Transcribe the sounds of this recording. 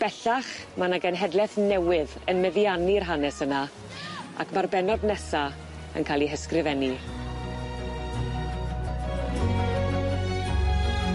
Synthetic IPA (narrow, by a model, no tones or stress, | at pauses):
b̥ɛɬaχ | manaɡɛnɦɛdlɛθnɛwɪðənmɛðjanirɦanɛsəna | a̰kʰmarbɛnɔdnɛsa | ə̰nkʰalˠiɦəskrɪvɛni